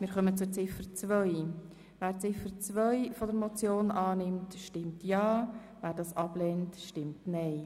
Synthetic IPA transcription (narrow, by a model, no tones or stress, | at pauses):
mɪːɾχœmət͡sʊɾt͡sɪfəɾt͡svœʏ | væːɾt͡sɪfəɾt͡svœɪfɔdəɾmɔt͡sjoːnʔɑːnɪmtʃtɪmtjɑː | væːɾdɑːsɑb̥lɛntʃtɪmtnɛɪ